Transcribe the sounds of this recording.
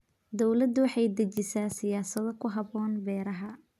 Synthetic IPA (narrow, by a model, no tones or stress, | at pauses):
d̪ɔwlɐd̪wɑħɑjd̪ɐt͡ʃɪsaːsɪjaːsɐðɔkʰʊɦɐbɔːnbɛːɾɐɦɐ